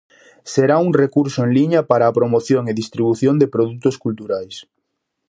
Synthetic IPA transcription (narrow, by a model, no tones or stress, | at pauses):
seɾauŋrekuɾsoeŋliɲɐpaɾaːpɾomoθjoŋeðist̪ɾiβ̞uθjond̪epɾoðut̪oskult̪uɾajs